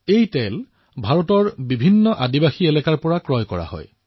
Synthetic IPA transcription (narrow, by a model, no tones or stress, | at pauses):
ejtɛl | bʱaɹɔtɔɹbibʱinːɔʔadibaxielɛkaɹpɔɹakɹɔjkɔɹa̰hɔ̰j